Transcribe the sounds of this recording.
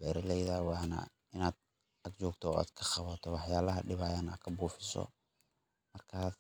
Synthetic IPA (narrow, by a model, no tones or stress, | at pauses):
bɛːɾɐlɛjðɐwɑːnɐ̰ | ɪnaːd̪̚ | ɐɡt͡ʃɔːɡt̪ʰɔa̰ːd̪̥kʰɐχɑβɐt̪ʰɔwɑħjaːlɐɦɐɖɪβaːjana̰ːkʰɐbuːfɪsɔ̰ | mɐrkʰaː